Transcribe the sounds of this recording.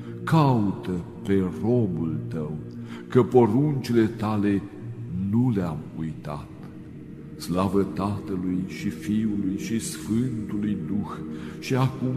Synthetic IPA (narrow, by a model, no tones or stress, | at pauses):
kaut̪ə | pe̞ro̞mult̪əwkəpoɾunt͡ʃile̞t̪ale̞ | nuleamujt̪a̰t̪ | slavət̪at̪əlujʃifiulujʃisfɨnt̪ulujd̪uxʃiakum